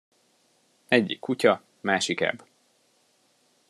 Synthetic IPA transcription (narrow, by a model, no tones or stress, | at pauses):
ɛɟːḭkʰːucɒ | maːʃikɛ̰b